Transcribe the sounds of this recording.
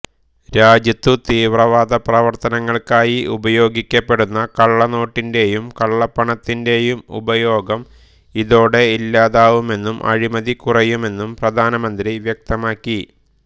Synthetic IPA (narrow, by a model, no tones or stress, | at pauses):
ɾaːd͡ʑjɐt̪ːut̪iːʋrɐʋaːd̪ɐprɐʋɐrt̪ɐnɐŋːɐɭkaːjiubɐjo̞ːɡikʲːɐpːe̞ɽunːɐkɐɭːɐno̞ːʈːinde̞jumkɐɭːɐpːɐɳɐt̪ːinde̞jumṵbɐjo̞ːɡɐm | iðo̞ːɽe̞ilːaːðaːʋume̞nːumʔɐ̰ɻimɐðikurɐjume̞nːumprɐd̪ʱaːnɐmɐnd̪ɾiʋjɐk̚t̪ɐmaːkːi